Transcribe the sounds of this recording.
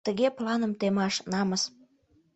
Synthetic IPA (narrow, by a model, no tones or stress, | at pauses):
t̪əɣeplɑnəmt̪emɑʃnɑməs